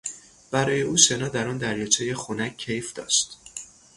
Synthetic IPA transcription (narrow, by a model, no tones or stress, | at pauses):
b̥æɾɒːje̞uːse̞nɒːd̪æɾɒːnd̪æɾjɒt͡sʰejexunækʰːejfd̪̥ɒ̰ːʃt̪